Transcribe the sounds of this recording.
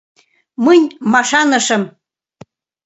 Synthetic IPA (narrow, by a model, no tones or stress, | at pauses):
mənʲmɑʃɑnə̆ʃəm